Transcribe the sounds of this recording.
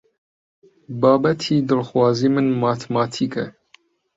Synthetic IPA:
bɑːbɛt̪ʰiːd̪ɨlxwɑːziːmɨnmɑːt̪ʰmɑːt̪ʰiːkɛ̰

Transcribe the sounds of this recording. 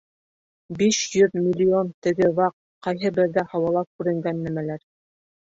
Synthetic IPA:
biʃjɵðmʲilʲːiont̪ɘ̆ɡɘβɑq̚ | qɑjɦɤbɘ̆ɾðæhɑwɑlˠɑp̚kʉɾɘ̆ŋɡænːæmælæɾ

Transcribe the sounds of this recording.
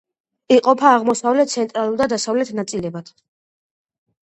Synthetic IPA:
iqʼɔpʰaːʁmɔsavlɛt̪̚t̪sʰɛnt̪ʼɾalˠulˠd̪ad̪asavlɛt̪ʰnat̪sʼilɛbat̪ʰ

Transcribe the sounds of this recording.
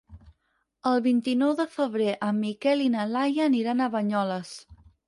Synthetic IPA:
əlˠβint̪inɔwðəfəβ̞ɾeʔəmːikɛlinəlajəniɾanəβəɲɔləs

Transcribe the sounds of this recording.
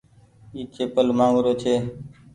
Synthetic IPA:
iːkʰeːpəlmãːŋɡʊɾoːt͡ʃʰeː

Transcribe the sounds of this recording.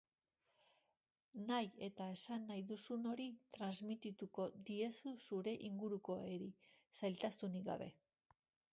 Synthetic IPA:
naje̞t̪ae̞sanːajðusuno̞ɾit̪ɾanzmit̪it̪uko̞d̪ie̞susuɾe̞ʔiŋɡuɾuko̞e̞ɾisajlt̪ast̪uniɡa̰βe̞̰

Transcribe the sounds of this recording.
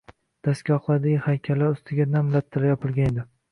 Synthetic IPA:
d̪̥askʲaɒχlˠad̪ɪɡʲɪhajkʲʰalːaʊst̪ʰɪɡʲanamlat̪ʰːɪlajɒpʰɪlˠɡʲaned̪ɪ

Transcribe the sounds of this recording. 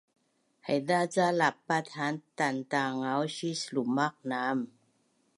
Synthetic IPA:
hajdaːt͡salapːat̪ʰaːnt̪ant̪aːŋawɕislumak̚naːm

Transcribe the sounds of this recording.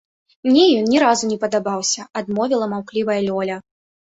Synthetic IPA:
mnʲɛjɔnnʲɛɾazunʲɛpɐd̪abawsʲɐad̪mɔvʲilˠɐmawklʲivɐjɐlʲɔlʲɐ

